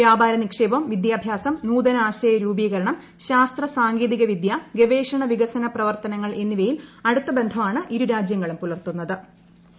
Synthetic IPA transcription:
ʋjaːbʱaːɾɐnikʂeːbɐmʋid̪jaːbʱjaːsɐmnuːd̪ɐnɐaːɕɐjɐɾuːbiːɣɐɾɐɳɐm | ɕaːst̪rɐsaːŋɡiːðiɣɐʋid̪jaɡeʋeːʂɐɳɐʋiɡɐsɐnɐprɐʋɐrt̪ɐnɐŋːɐɭʔe̞nːiʋɐjilɐɽut̪ːɐbe̞nd̪ʱɐmaːɳɨʔiɾuɾaːd͡ʑjɐŋːɐɭumpulɐrt̪unːɐðɨ

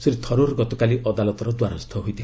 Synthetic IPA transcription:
siɾit̪ʰɔɾoɾɡɔt̪ɔkaliʔɔd̪alɔt̪ɔɾɔd̪waɾɔst̪ʰɔɦojt̪ʰ

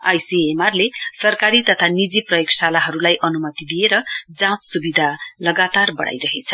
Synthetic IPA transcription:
a̰jsiemarlesʌrkaɾit̪ʌt̪ʰanid͡ziprʌjoksalaɦʌɾulajʔʌnumʌt̪id̪ijeɾʌd͡zãt͡ssubid̪ʱalʌɡat̪arbʌ̰ɽa̰jɾʌɦet͡sʰʌ

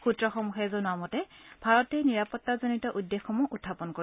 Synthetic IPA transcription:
xutɹɔxɔmuxɛzɔnʊamɔtɛbʱaɹɔtɛjniɹapɔtːazonitɔʔudːexːɔmɔʔutʰːapɔnkoɹi

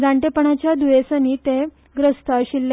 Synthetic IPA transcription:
d͡zãɳʈepəɳat͡ɕjad̪ujesəniːt̪e | ɡɾəst̪ʰəɕilːe

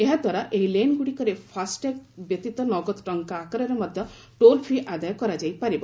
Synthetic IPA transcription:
eɦad̪ʱwaɾaʔeɦilenɡuɽikɔɾepʰasʈekbjɔt̪it̪ɔnɔɡɔt̪ʈɔŋkaːkɔɾɔɾɔmɔd̪ʱjɔ | ʈolpʰiʔad̪ajɔkɔɾad͡ʒajpaɾibɔ

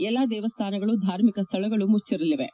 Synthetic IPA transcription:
ɛlːaːd̪ɛːʋɐst̪ʰaːnɐɡɐɭud̪ʱaːɾmikɐst̪ʰɐɭɐɡɐɭumut͡ʃːiɾɐliʋḛ

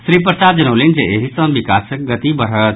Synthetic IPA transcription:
sɾiːp̬ɾəsaːd̪̚d͡ʒɐnoːlind͡ʒeeɦisə̃bikaːsək̚ɡɐt̪ibəɾ̤ət̪

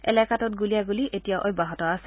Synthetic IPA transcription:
ɛ̰lɛkatɔt̚ɡulijaɡuliʔetijaʔɔjbaɦɔtɔasɛ

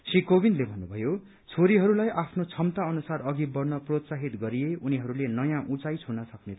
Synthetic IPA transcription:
sikobinlebʱʌnːubʱʌjo | t͡sʰoɾiɦʌɾulajʔapʰnot͡sʰʌmt̪aʌnusarʌɡibʌrnʌprot̪saɦit̪ɡʌɾieuniɦʌɾulenʌjãʔut͡sajt͡sʰunʌsʌknet̪ʰ

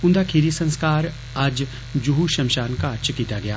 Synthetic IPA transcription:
ʊ̃nd̪akʰeːɾisɐ̃nskaːɾ | aːd͡ʒ | d͡ʒuɦuʃɐmʃaːnkaɐɾt͡ʃʰkiːt̪aɡɐjaː

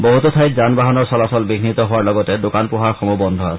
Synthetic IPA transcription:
boɦut̪ot̪ʰajkzanbaɦɔnɔɹsɔlasɔlbiɡʱnit̪ɔɦoaɹlɔɡɔtɛdokanpʊɦaɹxɔmubɔndʱɔas

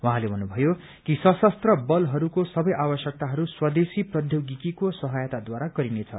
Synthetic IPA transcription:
wuɦãlebʱʌnːubʱʌjo | kisʌsʌst̪rʌbʌlɦʌɾukosʌbʌjʔabʌsjʌk̚t̪aɦʌɾuswʌd̪esiprʌd̪ʱjoɡikikosʌɦʌjt̪ad̪waɾaɡʌɾinet͡sʰʌ̰

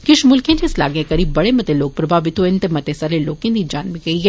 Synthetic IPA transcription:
kɪʃmʊlkẽt̪esla̰ːɡekɐɾiːbːɐɽemɐt̪eloːɡ̚pɾɐbʱaːʋɪt̪oɪnt̪emɐt̪esɐɾleloːkẽd̪id͡ʒaːnmikɐiɛ

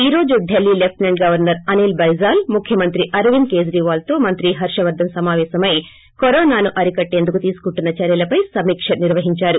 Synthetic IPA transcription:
iːɾo̞ːd͡ʒuɖʱelːilep̚ʈnɐɳɖɡɐʋɐɾnɐɾɐniːlbɐjzaːlmukʰjɐmɐnt̪ɾiʔɐɾʋinke̞ːd͡ʒɾiːʋaːlt̪o̞ːmɐnt̪ɾiɦɐɾʂɐʋɐɾd̪ʱːɐmsɐmaːʋɛːsɐmɐj | koɾoːnaːnuʔɐɾikɐʈːe̞ːnd̪ukut̪iːsu̥kuɳʈːunːɐt͡ʃɐɾjɐlɐpɐjsɐmiːkʂɐniɾʋɐɦiɲt͡ʃaːɾu

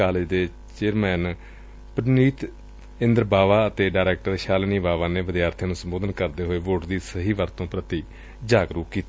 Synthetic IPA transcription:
aːled͡ʒd̪eː | t͡ʃeːɾmɛːn | pəɾniːt̪ | ɪ̃nd̪əɾbaːʋaːət̪eːɖaːɾɛːk̚ʈəɾʃaːlniːbaːʋaːneːʋəd̪jaːɾt̪ʰẽːnũːsəmboːd̪ənkəɾd̪eːɦoːeːʋoːʈd̪iːsəɦiːʋəɾt̪õːpɾət̪iː | d͡ʒaːɡɾuːkiːt̪ː

